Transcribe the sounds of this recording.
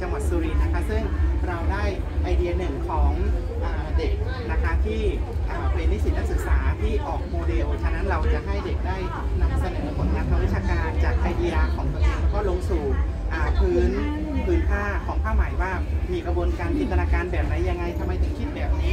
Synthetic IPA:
t͡ɕa˧ŋwa˨˩t̪̚suː˧ɾi˧˩t̪̚na˦˥kʰa˦˥sɯ˥˩ŋɾa˧wdaː˥˩jʔa˧jdi˧ɐ˧nɯ˨˩ŋkʰɔː˩˦ŋ | ʔaː˨˩de˨˩k̚ | na˦˥kʰa˦˥t̪ʰiː˥˩ʔaː˨˩pe˧nmi˦˥si˨˩na˦˥ksɯ˨˩k̚saː˩˦t̪ʰiː˥˩ʔɔː˨˩k̚moː˧de˧wt͡ɕʰa˦˧˥na˦˥nɾa˧wt͡ɕa˨˩ɦa˥˩jde˨˩k̚daː˥˩j | na˧msa˧nɤː˩˦pʰo˩˦nːaː˦˥˩pʰa˧wi˦˥t̪̚t͡ɕaː˧kaː˧nt͡ɕaː˨˩k̚ʔa˧jdiː˧ʔa˧kʰɔː˩˦ŋ˨˦˨kɔː˥˩lo˧ŋsuː˨˩t̪̚ | ʔaː˨˩pʰɯː˦˥n | pʰɯː˦˥npʰaː˥˩kʰɔː˩˦ŋpʰaː˥˩wma˨˩˦jwaː˥˩miː˧kɾa˧bu˧ənkaː˧nt̪ʰiː˧˩nt̪ʰa˧naː˧kaː˧nbɛː˨˩p̚na˦˥jːa˧ŋːa˧jt̪ʰa˧mːa˧˩jt̪ʰɯ˩˦ŋkʰi˦˥t̪̚bɛː˨˩p̚niː˦˥

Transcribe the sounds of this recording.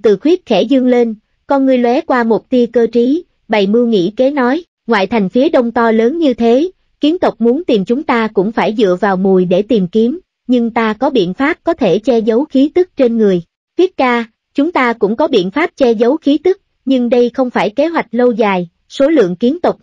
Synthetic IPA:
t̪ɨ˨˩xwi˦˥ət̚xɛ̰˧˩zɨ˧əŋle˧n | kɔ˧nŋɨ˨˩əjlwɛ˨˦kwaː˧mo˨˩t̚t̪i˧əkəː˧t͡ɕi˨˦ | ɓa˨˩jmɨ˧əŋḭ˧˥ke˨˦nɔ˨˦j | ŋwa̰ː˧˨jt̪ʰa˨˩jŋ̟fi˨˦əɗə˧wŋ͡mt̪ɔ˧ləː˨˦nɲɨ˧t̪ʰe˨˦ | ki˨˦ənt̪ʊ˨˩wk͡p̚mu˨˦ənt̪i˨˩mt͡ɕʊ˨˦ŋ͡mt̪aː˧kʊ̰˧˥ŋ͡mfaː˧˩jzɨ̰˧˨əvaː˨˩wmu˨˩jɗe˧˩t̪i˨˩mki˨˦əm | ɲɨ˧ŋt̪aː˧kɔ˨˦ɓḭ˧˨ənfaː˦˥p̚kɔ˨˦t̪ʰe˧˩t͡ɕɛ˧zə˨˦wxi˨˦t̪ɨ˦˥k̚t͡ɕe˧nŋɨ˨˩əj | t̪wi˦˥ət̚kaː˧ | t͡ɕʊ˨˦ŋ͡mt̪aː˧kʊ̰˧˥ŋ͡mkɔ˨˦ɓḭ˧˨ənfaː˦˥p̚t͡ɕɛ˧zə˨˦wxi˨˦t̪ɨ˦˥k̚ | ɲɨ˧ŋɗə˧jxə˧wŋ͡mfaː˧˩jke˨˦ɦwa˨˩jk̟̚lə˧wzaː˨˩j | so˨˦lɨ̰˧˨əŋki˨˦ənt̪ʊ˨˩k͡p̚

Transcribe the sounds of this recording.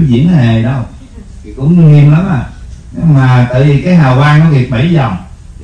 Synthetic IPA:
zḭ˧˨˥ənhe˨˩ɗə˧wʰ | i˨˩kʊ̰˧˥ŋ͡mŋi˧mla˨˦maː˨˩ɲɨ˧maː˨˩t̪a̰ː˧˨jvi˨˩kaː˨˦jɦaː˨˩wvaː˧ŋnɔ˨˦vi˨˩ət̚ɓa˧˩˦jlɔ˨˩m

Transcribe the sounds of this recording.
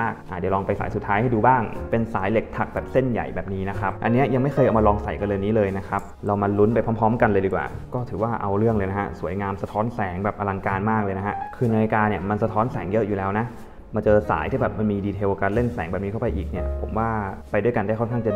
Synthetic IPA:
k̚ʔaː˨˩t͡ɕa˨˩lɔː˧ŋpa˧jsaː˩˦jsu˨˩t̪ʰːaː˦jha˥˩jduː˧baː˥˩ŋpe˧nsaː˩˦jle˨˩k̚t̪ʰa˨˩k̚bɛː˨˩p̚se˥˩nja̰˨˩jbɛː˨˩p̚niː˦˥na˦˥kʰa˦˥p̚ʔa˧nːi˦˥ɐja˧ŋma˥˩jʰɤː˧jʔa˨wma˧lɔː˧ŋsa˨˩˦jka˧nlɤː˧niː˦˥lɤː˧jna˦˥kʰa˦˥p̚ɾa˧wma˧lu˦˥npa˧jpʰɔː˦˥mpʰɔː˦˥mka˧nlɤː˧jdiː˧˩kwa̰ː˨˩kɔː˥˩t̪ʰɯː˩˦waː˥˩ʔa˧wɾɯ˥˩əŋlɤː˧jna˦˥kʰa̰˦˥su˨˩˦əjŋaː˧msa˧t̪ʰɔː˦˥nsɛː˩˦ŋbɛː˨˩p̚ʔa˧la˧ŋkaː˧nmaː˥˩k̚lɤː˧jna˦˥hʰa˦˥ʔkʰɯː˧na˧jaː˧jkaː˧ni˥˩əma˧nsa˧t̪ʰɔː˦˥nsɛː˩˦ŋjɤ˦˥ʔjuː˨˩lɛː˦˥wna˦˥ʔ | ma˧t͡ɕɤː˧sa̰ː˩˦jt̪ʰiː˥˩bɛː˨˩p̚ma˧nmiː˧diː˧t̪ʰe˧wka˧nle˥˩nsɛ̰ː˩˦ŋbɛː˨˩p̚iː˧˥kʰpa˧jʔiː˨˩k̚ni˥˩ɐpʰo̰˩˦mwaː˥˩pa˧jdu˥˩əjka˧ndaː˥˩kʰnkʰa˥˩ŋt͡ɕa˨

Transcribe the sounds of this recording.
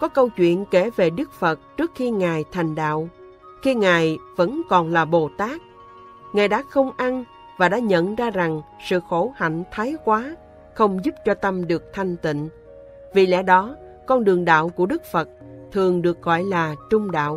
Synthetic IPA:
kɔ˨˦kə˧wt͡ɕwḭ˧˨ənke˧˩ve˨˩ɗɨ˦˥k̚fə˨˩t̚t͡ɕɨ˦˥ək̚xi˧ŋaː˨˩jt̪ʰa˨˩jŋ̟ɗa̰ː˧˨w | xi˧ŋaː˨˩jvə̰˧˥nkɔ˨˩nlaː˨˩ɓo˨˩t̪aː˦˥k̚ | ŋaː˨˩jɗa̰ː˧˥xə˧wŋ͡mʔa˧n | vaː˨˩ɗa̰ː˧˥ɲə̰˧˨nzaː˧za˨˩ŋsɨ̰˧˨xo˧˩ha̰˧˨ŋ̟t̪ʰaː˨˦jkwaː˨˦ | xə˧wŋ͡mzu˦˥p̚t͡ɕɔ˧t̪ə˧mɗɨ˨˩ək̚t̪ʰa˧jŋ̟t̪ḭ̈˧˨ŋ̟ | vi˨˩lɛ̰˧˥ɗɔ˨˦ | kɔ˧nɗɨ˨˩əŋɗa̰ː˧˨wku˧˩əɗɨ˦˥k̚fə˨˩t̚t̪ʰɨ˨˩əŋɗɨ˨˩ək̚ɣɔ̰˧˨jlaː˨˩t͡ɕʊ˧ŋ͡mɗa̰ː˧˨w

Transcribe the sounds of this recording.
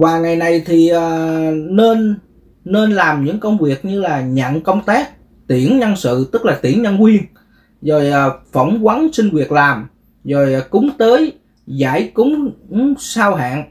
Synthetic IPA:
vaː˨˩ŋa˨˩jna˨˩jt̪ʰi˨˩ʔaː˨˩ne˧nː | e˧nlaː˨˩mɲɨ̰˧˥ŋkə˧wŋ͡mvi˨˩ək̚ɲɨ˧laː˨˩ɲə̰˧˨nkə˧wŋ͡mt̪aː˦˥k̚ | t̪i˧˩ənɲə˧nsɨ̰˧˨t̪ɨ˦˥k̚laː˨˩t̪ḭ˧˩ənɲə˧nkwi˧ən | zo˨˩jʔːfə˧˩wŋ͡mkwa˨˦nsï˧ŋ̟vi˨˩ək̚laː˨˩m | zo˨˩jkʊ˨˦ŋ͡mt̪əː˨˦j | za̰ː˧˥˩jkʊ˨˦ŋ͡mŋ͡msaː˧wɦa̰ː˧˨n

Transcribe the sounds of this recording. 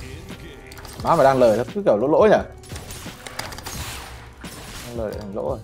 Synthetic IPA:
maː˨˦maː˨˩ɗaː˧ŋləː˨˩jt̪ə˧˩kɨ˨˦kːwlo̰˧˥lo̰˧˥˦ɲa˧˩ | ɗaː˧ŋləː˨˩jɗḛ˧˨˩a˧˨˩ŋlo̰˧˥o˧˩

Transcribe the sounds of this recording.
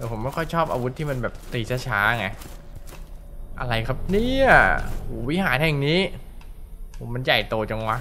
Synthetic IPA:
ɛː˨˦pʰo˩˦mkɔ˥˩kʰɔ˥˩jt͡ɕʰɔː˥˩p̚ʔaː˧wu˦t̪ʰːiː˥˩ma˧nbɛː˨˩p̚t̪iː˧t͡ɕʰaː˦˥˩t͡ɕʰaː˦˥˧ŋa˧ | ʔa̰˧ɾa˧jkʰa˦˥p̚niː˥˩ɐ˩hoː˩˦wi˦˥˩ɦaː˩˦nhʰɛː˨˩ŋniː˦˥ | oː˩˦ma˧nja˨˩jt̪oː˧t͡ɕa˧ŋwa˦˥

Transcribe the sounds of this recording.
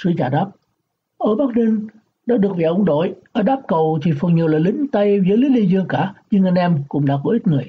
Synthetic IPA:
sɨ˨˧˦t͡ɕaː˧˩ɗaː˦˥p̚ | ʔəː˧˩ɓaː˦˥k̚ni˧n | ɗa̰ː˧˥ɗɨ˨˩ək̚vḭ˨˩ʔʊ˧˦ŋ͡mɗo̰˧˨jʔəː˧˩ɗaː˦˥p̚kə˨˩wt̪ʰi˨˩fə˨˩ŋɲi˨˩əwlaː˨˩lï˨˦ŋ̟t̪ə˧jvəː˨˦jli˨˦li˧zɨ˧əŋkaː˧˩ɲɨ˧ŋʔa˧jŋ̟ʔɛ˧mkʊ̰˧˥ŋ͡mɗa̰ː˧˥ko˧˦ʔi˦˥t̚ŋɨ˨˩əj

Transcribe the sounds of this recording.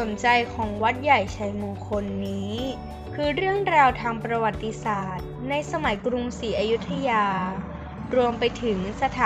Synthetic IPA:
o˩˦nt͡ɕa˧jkʰɔː˩˦ŋwa˦˥t̪̚ja˨˩jt͡ɕʰa˧jmuː˧ŋkʰo˧nːiː˦˥ | kʰɯː˧ɾɯ˥˩əŋɾaː˧wt̪ʰaː˧ŋpɾa˧wa˨˩t̪ːi˧saː˨˩t̪̚na˧jsa˧ma˩˦jkɾu˧msiː˩˦ʔaː˧ju˦˥t̪ʰːa˧jaː˧ | ɾu˧əmpa˧jt̪ʰɯ˩˦ŋsa˧t̪ʰaː˨˦

